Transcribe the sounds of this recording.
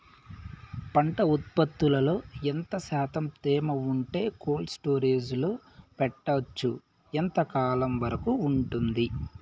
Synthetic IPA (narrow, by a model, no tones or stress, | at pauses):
pɐɳʈɐut̪̚pɐt̪ːulɐlo̞ːent̪ɐsaːt̪ɐmt̪eːmɐuɳʈe̞ːkoːlsʈo̞ːɾeːd͡ʒuloːpɛʈːɐɐt͡ʃːu | ent̪ɐkaːlɐmʋɐɾɐkuːɳʈund̪i